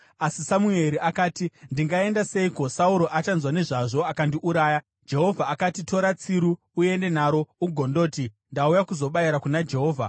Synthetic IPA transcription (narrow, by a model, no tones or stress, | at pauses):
asisamue̞ɾiʔakaːtindiŋɡae̞ndase̞iko̞sauɾo̞ʔat͡ʃanzwane̞ʐaʐo̞akandiʔuɾaːja | d͡ʒe̞ɦo̞vʱaːkatito̞ɾat͡siɾuː | e̞nde̞naɾo̞uɡʱondo̞ːti | ndaujakuzo̞ɓaiɾakunad͡ʒe̞ɦo̞ːvʱa̰